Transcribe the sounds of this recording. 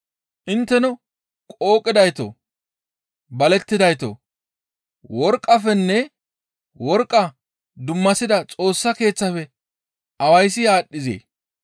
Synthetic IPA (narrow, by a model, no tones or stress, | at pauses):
ʔɪnt̪ːɛnɔ | kʼo̞ːkʼːɪd̪ɐjt̪o̰ | bɐlɛt̪ːɪd̪ɐjt̪o̰ | wɔɾkʼːɐfɛnːɛ | wɔɾkʼːɐ | d̪ʊmːɐsɪd̪ɐt͡sʼo̞ːsːɐke̞ːt͡sːɐfɛ | ʔɐwɐjsːɪjaːɗːɪzḛː